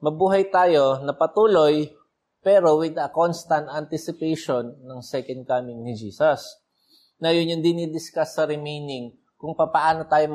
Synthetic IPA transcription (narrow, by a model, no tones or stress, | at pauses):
mɐbuːɦɐjt̪aːjo̞nɐpɐt̪uːlo̞j | pɛːɾo̞wɪd̪ɐkonst̪ɐnt̪ɐnt̪ɪsɪpejʃonːɐŋsɛkɐnd̪̚kamɪŋnɪd͡ʒiːsɐs | nɐjʊnjʊnd̪ɪnid̪ɪskasːɐɾɪmejnɪŋ | kʊŋpapɐʔaːnot̪aːjo̞m